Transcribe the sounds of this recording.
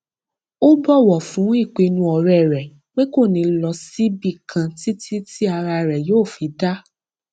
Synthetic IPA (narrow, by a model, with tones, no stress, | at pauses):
o˦bɔ˦˨wɔ˨fũ˨˦i˦˨k͡pe˧nũ˧ɔ˨ɾɛ˨ɾɛ˨ | k͡pe˦ko˦˨nĩ˧lɔ˧si˦bi˦˨kʰã˧ti˦ti˦ti˦a˧ɾa˧ɾɛ˨joː˦˨fi˨˦da˦